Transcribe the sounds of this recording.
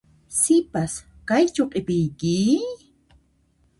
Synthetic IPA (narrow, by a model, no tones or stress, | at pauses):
sɪpas | kajt͡ʃoqʼɪpɪjkɪ